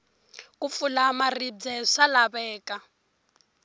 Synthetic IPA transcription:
kʼufulamarib͡ʐɛʂalaβɛːka

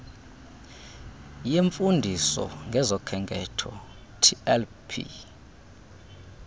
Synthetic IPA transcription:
jeɱfundʱisɔ̰ŋɡʱɛzɔkʰɛŋɡʱɛtʰɔ | tʰiɛl | pʰḭ

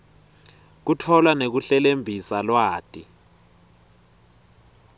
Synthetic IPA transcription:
k̬utʰɔlwanek̬uɬɛlembʱisalwaːtʼi

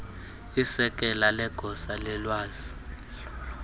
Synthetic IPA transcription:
isɛk̬ʼɛlalɛɡ̥ʱɔsalɛlwaːz̥i

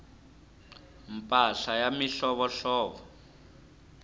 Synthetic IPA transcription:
mpʼaɬajamiɬɔβɔɬɔːβɔ

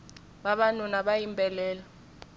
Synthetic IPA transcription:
ɓaɓanunaɓajimbʼɛlɛːla

